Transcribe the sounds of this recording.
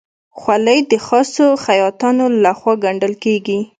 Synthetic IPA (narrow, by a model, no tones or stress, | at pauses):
xwaləjd̪əxɑsoxajɑt̪ɑnolaxwɑɡaɳɖəlkeɡi